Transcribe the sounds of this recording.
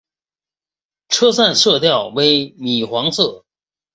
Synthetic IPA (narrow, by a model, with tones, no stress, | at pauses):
ʈ͡ʂʰɤ˥sa˥˧nʂɤ˥˧t̪jɑ˥˩ʊwe˧˥ɪmi˨˩xwɑ˧˥ŋsɤ˥˩